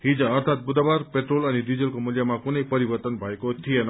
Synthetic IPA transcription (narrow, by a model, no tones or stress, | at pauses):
ɦĩd͡zʌ̃ːɾt̪ʰat̪̚bud̪abaɾpeʈrolʌnidid͡zʌlkomuljamakunʌjpʌɾibʌɾt̪ʌnbʱʌekot̪ʰijenʌ